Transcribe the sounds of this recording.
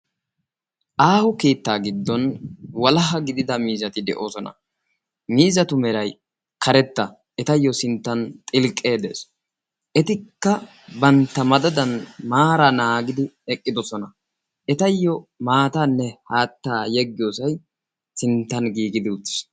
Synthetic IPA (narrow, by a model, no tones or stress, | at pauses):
ʔaːhʊkeːt̪ːaːɡɪd̪ːɔnwɐlɐɦɐɡɪd̪ɪd̪ɐmiːzɐt̪ɪd̪ɛ̰ʔo̞ːsɔnɐ̰ | miːzɐt̪ʊmɛɾɐj | kʰɐɾɛt̪ːɐ | ɛt̪ɐjːɔsɪnt̪ːɐnt̪ʼɪlkʼːe̞ːd̪e̞̰ːs | ʔɛt̪ɪkːɐ | bɐnt̪ːɐmɐd̪ɐd̪ɐnmaːɾanaːɡɪd̪ɪɛkʼːɪd̪ɔsɔnɐ | ʔɛt̪ɐjːɔmaːt̪ɐnːɛhaːt̪ːaːjɛɡːɪjosɐj | sɪnt̪ːɐnɡiːɡɪd̪ɪʊt̪ːɪ̥s